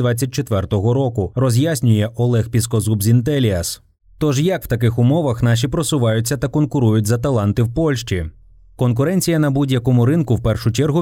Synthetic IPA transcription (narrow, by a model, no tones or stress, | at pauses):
d̪ʋɑt͡sʲːɐt̚ʲt͡ʃet̪ʋɛrt̪ɔɦɔɾɔkʊrɔzʲjasʲnʲʊjɛʔɔlˠɛxpʲis̬kɔzubzʲint̪ɛlʲiɐs | t̪ɔʒjɐkwt̪ɐkɪxʊmɔʋɐxnɑʃ̬ipɾɔsʊʋɑjʊtʲt͡sʲːɐt̪ɐkɔnkʊɾujʊtʲzɐt̪ɐlˠɑnt̪ɪwpɔlʲʃt͡ʃi | kɔnkʊɾɛnʲt͡sʲijɐnɐbudʲjɐkɔmʊɾɪnkʊwpɛrʃʊt͡ʃɛrɦʊ